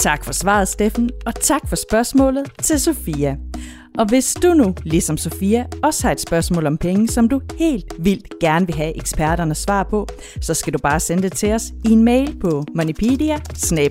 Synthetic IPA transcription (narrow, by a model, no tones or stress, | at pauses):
t͡sʰɑ̈ɡ̥fɒ̽sʋɑ̰̈ð̩ˠsd̥efn̩ɒ̽t͡sʰɑ̈ɡ̥fɒ̽sb̥ɶɐsmɔ̰ːlð̞̩ˠt͡sʰe̝lso̝fiːæ | ʔɒ̽ʋe̝sd̥unulisɒ̽mso̝fiːæɒ̽sə̥hɑ̈e̝d̥sb̥ɶɐsmɔ̰lɒ̽mpʰeŋəsɒ̽md̥uhe̝̰ːld̥ʋil̰d̥ɡ̥æɐnəʋe̝ɦæʔeɡ̥sb̥æɐɾ̥ɐnəsʋɑ̰̈ːpʰɒ̽ | sɒ̽sɡ̥ædub̥ɑ̈ːsend̥e̝t͡sʰe̝ɒ̽sienmeɪlpʰɒ̽monipʰeːdiæsne̥